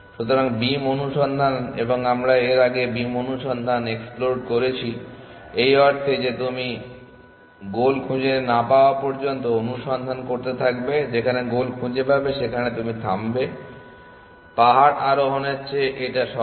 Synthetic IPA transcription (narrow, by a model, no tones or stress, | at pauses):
ʃut̪oɾaŋbimonuʃɔnd̪ʱanḛboŋamɾaeɾaɡebimonuʃɔnd̪ʱaneksploɖkoɾet͡ɕʰiejɔɾt̪ʰed͡ʑet̪umi | ɡolkʰũd͡ʑenapaoapɔɾd͡ʑont̪̬oonuʃɔnd̪ʱankoɾt̪et̪ʰakbed͡ʑekʰaneɡolkʰũd͡ʑepabeʃekʰanet̪umit̪ʰambe | paɦaɾaɾoɦonet͡ɕʰeʔeʈaʃɔ